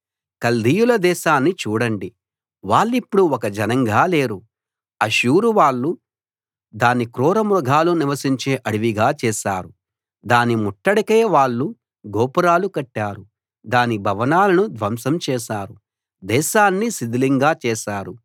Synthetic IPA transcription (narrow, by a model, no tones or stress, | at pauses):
kɐld̪ijulɐd̪ɛːʃaːnːit͡ʃuːɽɐɳɖi | ʋaːɭːipːuɽuɔkɐd͡ʒɐnɐŋɡaːleːɾu | ɐʃuːɾuʋaːɭːu | d̪aːnikɾɔːɾɐmɾuɡʱaːluniʋɐsiɲt͡ʃeːʔɐɽiʋiɡaːt͡ʃɛːʃaːɾu | d̪aːnimuʈːɐɽɐkeːʋaːɭːu | ɡɔːpuɾaːlukɐʈːaːɾu | d̪aːnibʱɐʋɐnaːlɐnud̪ʋɐmsɐmt͡ʃɛːʃaːɾu | d̪ɛːʃaːnːisid̪iliŋɡaːt͡ʃɛːʃaːɾu